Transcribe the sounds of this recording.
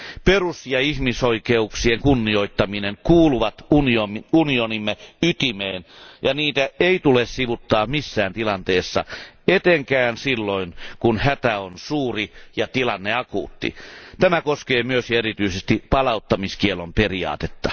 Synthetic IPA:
perusjɑihmisoikeuksieŋkunːioit̪ːɑmineŋkuːluʋɑt̪uniounionimːeyt̪imeːnjɑniːt̪æeit̪ulessiʋut̪ːɑːmisːæːnt̪ilɑnt̪eːsːɑ̰et̪eŋkæːnsilːoinkunhæt̪æonsuːrijɑt̪ilɑnːeɑkṵːt̪ːḭt̪æmækoskeːmyøsjɑerit̪yisest̪ipɑlɑut̪ːɑmiskielomperiɑ̰ːt̪et̪ːɑ

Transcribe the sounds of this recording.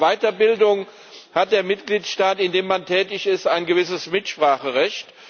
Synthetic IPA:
vaɪtɐbɪldʊŋ | hat̚d̥eːɐmɪtɡ̥liːtʃtaːtɪndeːmːantʰɛːtɪçɪstaɪnɡəvɪsəsmɪtʃpʁ̥aːχəʁɛçt

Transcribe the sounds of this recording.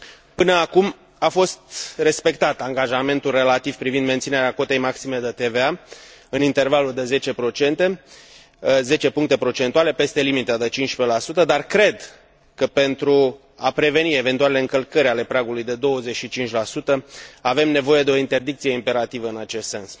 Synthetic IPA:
pɨnəakum | afo̞st̪re̞spe̞k̚t̪at̪aŋɡaʒame̞nt̪ulre̞lat̪iv̥pɾivind̪me̞nt̪sine̞ɾeako̞t̪e̞jmaksime̞d̪ət̪e̞veaɨnint̪e̞rvaluld̪e̞ze̞t͡ʃe̞pɾo̞t͡ʃe̞nt̪e̞ | ze̞t͡ʃe̞puŋk̚t̪e̞pɾo̞t͡ʃe̞nt̪uale̞pe̞st̪e̞limit̪əd̪et͡ʃint͡ʃʃpelasut̪əd̪arkɾe̞d̪ | kəpe̞nt̪ɾu | apɾe̞ve̞nie̞ve̞nt̪ualeleɨŋkəlkəɾʲale̞pɾaɡulujd̪e̞d̪o̞wəze̞t͡ʃʃit͡ʃint͡ʃʲlasut̪əave̞mne̞vo̞je̞d̪e̞o̞int̪e̞rd̪ikt̪sijeimpe̞ɾat̪ivəɨnat͡ʃe̞st̪se̞ns

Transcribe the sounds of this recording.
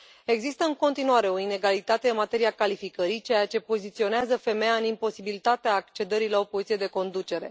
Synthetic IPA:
e̞ɡzist̪əɨŋko̞nt̪inuaɾe̞o̞ine̞ɡalit̪at̪e̞ɨnmat̪e̞ɾiakalifikəɾit͡ʃejat͡ʃe̞po̞zit̪sio̞neazəfe̞mejaɨnimpo̞sibilit̪at̪eaːk̚t͡ʃe̞d̪əɾilao̞po̞zit̪ied̪e̞ko̞nd̪ut͡ʃe̞ɾe̞̰

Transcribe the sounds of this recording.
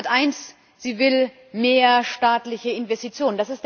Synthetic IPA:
tʔaɪns | z̥iːvɪl | meːɐʃtaːtlɪçəɪnvɛstit͡sjoːnənd̥asɪst̚

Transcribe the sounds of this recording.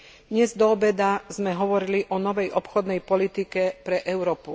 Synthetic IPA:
d̪ɲɛzd̪ɔbɛd̪azmɛɦɔʋɔɾiliʔɔnɔʋɛjʔɔpxɔd̪nɛjpɔlit̪ikɛpɾɛʔɛʊɾɔːpu

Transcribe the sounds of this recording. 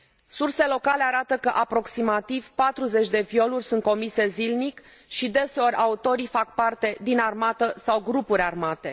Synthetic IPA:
surse̞lo̞kale̞aɾat̪əkəʔapɾo̞ksimat̪iv̥pat̪ɾuze̞t͡ʃʲd̪e̞vio̞lurʲsunt̪̚ko̞mise̞zilnik | ʃid̪e̞se̞o̞ɾʲʔaut̪o̞ɾifak̚part̪e̞d̪inarmat̪əsawɡɾupuɾʲarmat̪e̞

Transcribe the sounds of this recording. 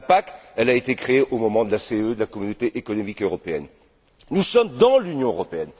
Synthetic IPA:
pakɛlaet̪ekχeːʔomɔmɑ̃d̪əlaseød̪əlakɔmynot̪eʔekɔnɔmikøʁɔpeɛ̰n | nusɔmd̪ɑ̃lynjɔ̃øʁɔpeɛn

